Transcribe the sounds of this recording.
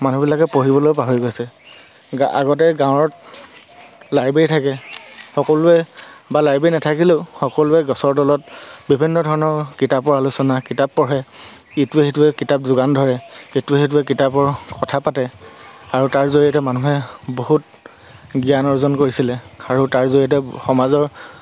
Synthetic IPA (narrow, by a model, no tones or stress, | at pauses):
manubilakɛpoɹibɔlojpaɦoɹiɡojsɛ | a̰ɡɔtɛɡãw̃ɹɔt | laɹbeɹjtʰakɛxɔkɔlʊɛbalaɹbejnatʰakilʊxɔkɔlʊɛɡɔsɔɹdɔlɔt̚bibʱinːɔdʱɔɹɔnɔɹkitapɔɹalusɔnakitapːɔɹɦɛ | ituɛxetuɛkitap̚zʊɡandʱɔɹɛetuɛet̬uɛk̬itapɔɹkɔtʰapatɛaɹutaɹzoɹiatɛmanuɦɛboɦut̚ | ɡijanɔɹzɔnkoɹisilɛaɹutaɹzoɹiat̬ɛxɔmazɔɹ